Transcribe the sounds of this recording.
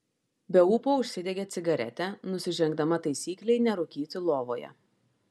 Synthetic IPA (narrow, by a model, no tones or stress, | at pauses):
bʲɛuːpoːʊʃʲsʲɪd̪ʲeɡʲeːt̪sʲɪɡɐɾʲɛ̰t̪ʲɛnʊsʲɪʒʲɛŋɡd̪ɐmɐt̪ɐɪsʲiːklʲɛɪnʲɛɾʊkʲiːt̪ʲɪlˠoːʋoːjɛ̰